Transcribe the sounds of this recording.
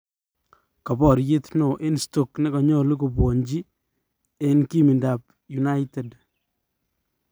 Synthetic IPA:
kɔ˨bɔ˨ɾje˦tno˨ʔe˦nsto˦˨knɪ˦kɔ˨ɲɔ˦lʊ˦ko˨bwo˨ɲd͡ʒi˦ | e˦nki˦mi˨nda˨p | ju˨na˦jte˨d

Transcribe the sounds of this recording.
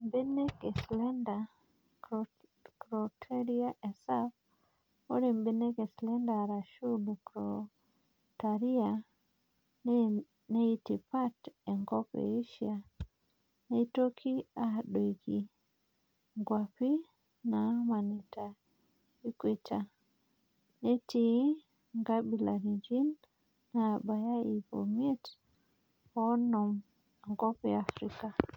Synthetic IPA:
mbe˦ne˦ke˨slɛ˦nda˨ | kɾɔ˨tʰe˦ɾi˦a˦ʔɛ˨sa˦f | o˦ɾi˨mbe˦ne˦ke˨slɛ˦nda˨ɾa˨ʃu˦lkɾo | ta˨ɾi˦a˨ | ne˦i˦ti˨pa˦te˨ŋɡɔ˦kḛ˨i˦ʃia˨ | ne˦i˦to˦kʰi˦a˨ɗo˨ɡi˨ | ŋɡwa˨pi˦ | na˨ma˨ni˨ta˨ | i˦kwi˦ta˨ | ne˦ti | ŋɡabi˨la˨ɾi˨ɲd͡ʒi˦nː | a˨ba˨ja˦i˨vo̰mie˦t | ɔnɔ˨m | ŋɡɔ˦pɛa˨fɾika˨

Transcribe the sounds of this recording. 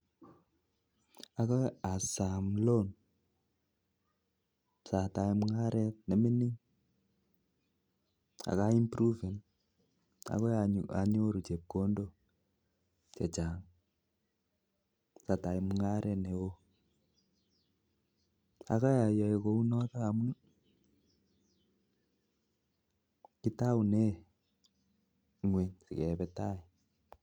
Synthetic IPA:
a˨kɔ˦a˨sa˨mlo˦n | sa˨ta˨i˦mŋa˦ɾɛt̚nɛ˨mi˦ni˦ŋ | a̰˨ka˦i˦mpɾu˦vɛ˨n | a̰˨kɔ˦jaa˨ɲo˦ɾu˨t͡ʃe˨p̚ko˦ndo˦ | t͡ʃɛ˨t͡ʃa˨ŋ | sa˨ta˨i˦mu˦ŋa˦ɾʔɛ˦ne˨wo˦ | a̰˨ka˦ja˨jɔ˨e˨ko˦u˦nɔ˦ta˦a˨mu˦n | ki˦ta˦u˨ne˦˨ | ŋwe˨nsi˨kɛ˨βɛta˦i˨

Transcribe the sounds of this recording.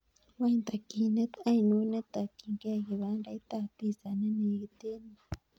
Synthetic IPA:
wa˦i˧nt̪a˨ki˧nẽ˦t̪a˦i˧nũ˦nẽ˦t̪a˨ki˧ŋke˦˨ɣi˨βa˧˦nɾa˧i˦t̪a˧t̪i˧sa˨nẽ˦nẽ˧i˧t̪e˦nĩ˧

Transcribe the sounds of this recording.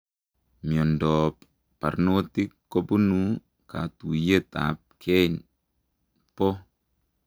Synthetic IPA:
mjɔ˨ndɔp | pa̰˨ɾno˦ti˦kːo˦pu˦nu | ka̰˨tu˨je˦t̪a̰p̚kʰɛ˦in | po˦

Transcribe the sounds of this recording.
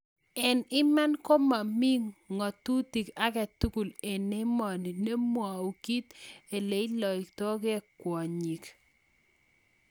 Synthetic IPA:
ɛ˨nɪ˦ma˦nko˦ma˨mi˦ŋːɔ˨tu˦ti˨ka˦kɛ˨tu˦ku˨le˨ne˦mɔ˨ni˨ne˦mwa˨u˨ki˦t̪e˨le˨i˦lɔ˨i˨ktɔ˦kɛ˦kwɔ˨ɲi˨k

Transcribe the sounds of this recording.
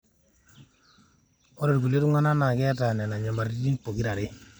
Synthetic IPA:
o˦ɾɔ˨ɾɡu˨le˦ɾu˦ŋa˦na˦na˨ɡɛ˦a˦ta˨nɛ˨na˨ɲa˨ma˨ɾi˦di˦npo˨ɡi˦ɾa˨ɾɪ˦

